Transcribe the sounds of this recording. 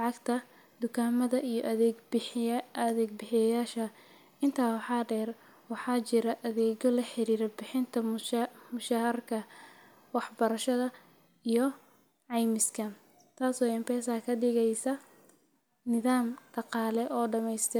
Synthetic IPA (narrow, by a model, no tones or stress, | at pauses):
lʕɑɡt̪ʰɐ | d̪ʊkʰaːmɐðɐʔijɔʔɐðɛɡbɐðɛːɡ̚bɪħɪjɐjaːʃɐ | ɪnt̪ʰaːwɑħɑːɖɛːr | wɑħɑːt͡ʃɪɾɐʔɐðɛːɣɔlɐħɪɾiːɾɐbɪħɪnt̪ʰɐmʊʃaːhɐrkʰɐ | wɑħbɐɾɐʃɐðɐ | ijɞ | ʕɑjmɪskʰɐ | t̪ʰaːsɔːɪmpɛːsakʰɐɖɪɣɛjsɐ | nɪðaːmɖ̥ɑqɑːlɛʔɔːɖɐmɛjst̪ʰɪ